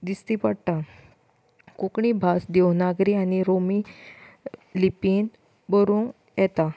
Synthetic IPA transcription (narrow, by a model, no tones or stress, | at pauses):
d̪ist̪ipəɽʈ̪a | kukɳibʱasd̪ɛwnaɡɾianiɾomi | lipin | bəɾũːn | jɛt̪a